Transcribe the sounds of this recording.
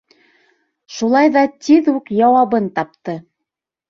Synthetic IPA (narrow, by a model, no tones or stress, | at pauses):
ʃulˠɑjðɑt̪ʲiðukjɑwɑβɤnt̪ɑp̚t̪ɤ